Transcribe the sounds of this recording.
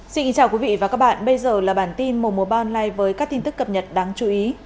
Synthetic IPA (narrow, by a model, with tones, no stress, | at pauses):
si˧nki˨˧ŋt͡ɕaː˨˩wkwi˨˦vḭ˧˨vaː˨˩kaː˦˥k̚ɓa̰ː˧˨nɓə˧jzəː˨˩laː˨˩ɓaː˧˩nt̪i˧nmo˨˩mu˨˦əɓaː˧nlaː˧jvəː˨˦jkaː˦˥kt̪ʰi˧nt̪ɨ˦˥kːə˨˩p̚ɲə˨˩t̚ɗaː˨˦ŋt͡ɕu˨˦ʔi˨˦